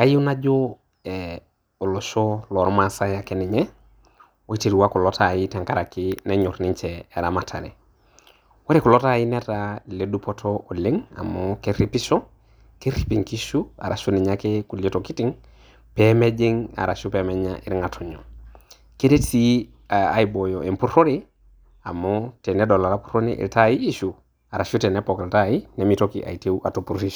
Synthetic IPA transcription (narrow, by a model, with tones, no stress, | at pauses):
ka˦ji˦u˦na˦d͡ʒo˦ | ɛ | o˨lɔ˨ʃɔ˦lɔ˨ɾma˨sa˦ja˦kɛ˦nɪ˨ɲɛ˦ | o˨i˦te˨ɾi˨wa˦ku˨lɔta˨jɪtɛ˨ŋka˦ɾa˨kɪnɛ˦ɲɔ˨ɾnɪ˦ɲt͡ʃɛː˨ɾa˨ma˦tʰa̰˨ɾɛ̰˨ | wɛ˦ɾe˦ku˨lɔ˦ta˦˨i˦nɛ˦tale˨du˦pɔtʰɔʔo˨le˦ŋa̰˨mɔ˦keɾi˦pi˦ʃɔ˦ | ke˦ɾipi˨ŋki˦ʃu˦a̰˨ɾa̰ʃuni˨ɲakeku˨letoki˦ti˦ŋ | pɛmed͡ʒi˦ŋa̰˨ɾaʃu˦pɛmɛɲa̰ʔi˨ɾŋatʰoɲo˨ | ke˦de˦si | ajibojoʔe˨mpu˦ro˦ɾi | a˨mɔtɛnɛdo˨la˨ɾa˦pu̥˦ɾo˦nḭʔḭ˨ltajiː˦ʃu | a˨ɾaʃutɛ˨nɛpɔkɛ˨ltajinɛmitokḭʔa̰˨i˨teuʔa˨topu˦ɾris